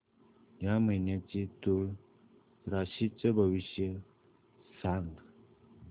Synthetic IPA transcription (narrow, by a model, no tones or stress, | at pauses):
jam̤əjnjat͡ɕit̪uɭ | ɾaɕit͡səbʱəʋiɕjə | saŋɡ